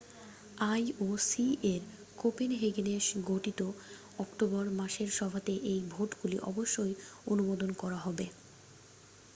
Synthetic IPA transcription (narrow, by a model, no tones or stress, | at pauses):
ajosieɾ | kopinɦeɡeneʃɡʱoʈit̪o | ɔkʈobɔɾmaʃeɾʃɔbʱat̪eʔejbʱoʈɡulḭʔɔ̰boʃːojonumod̪onkɔɾaɦɔbe